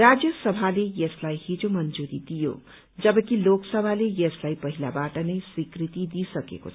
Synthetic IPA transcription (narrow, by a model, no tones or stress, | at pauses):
ɾad͡zjəsʌbʱalejeslaijhid͡zomʌnd͡zuɾid̪ijo̰ | d͡zʌbʌkiloksʌbʱalejeslaipʌɦila̰baʈʌnʌjswikɾit̪id̪isʌkḛko̰t͡sʰ